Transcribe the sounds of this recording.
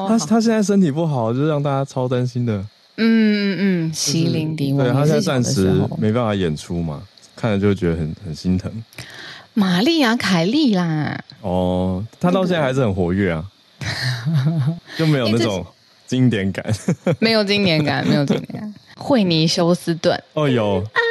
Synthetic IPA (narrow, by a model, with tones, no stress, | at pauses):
a˥t̪ʰa˥ɕ̬jɛ˥˧nt͡sa˥˩ɪʂə˥nt̪ʰi˨˩pu˥˩xɑ˨˩˦ʊt͡ɕjʂ̩˥˩ɻɑ˥˧ŋt̪a˥˧t͡ɕa˥t͡sʰɑ˥ʊt̪a˦nɕi˥nd̪ə˨ | n̩˥˩˥ | ɕi˧˥li˧˥ŋt̪i˨˧˦we˥˨ɪt̪ʰa˥˦jɛ̃˥na˥˧a˥˧nʂɻ̩˧˥me˧˥ɪpa˥˩nfa˨˩jɛ˨˩nʈ͡ʂʰu˦ma̰˨kʰa˥ndə˨t͡ɕo˥˧we˥˩t͡ɕɥɛ˧d̪ə˧˩xə˨˩nxə˨˩nɕi˦nt̪ʰə˧˦ŋ | ma˨˩li˥˩a˧˥kʰa˨˩ɪli˥˩la˨˩ɔ˥˧t̪ʰa˥t̪ɑ˥˧ʊɕjna˥˧a˧˥ɪz̩˨xə˨˩nxwɔ˧˥ɥɛ˥˩a˩ | jo˥˩me˧˥ɪjo˨˧˩na˥˩ʈ͡ʂʊ˨˩ŋ | t͡ɕi˦˥ŋt̪jɛ˧˥˦nka̰˨˩˦nme˧˥ɪjo˨˩ʊt͡ɕi˥ŋt̪jɛ˧˥nka̰˨˩nme˧˥ɪjt͡ɕḭ̃˦ŋt̪jɛ̰˨˧˦n˦a˨˩nxwe˥˩ɪni˨˩ɕjo˥ʊsɹ̩˥t̪wə̰˥˨nɔ˥˧˩jo˨˩ʊ˧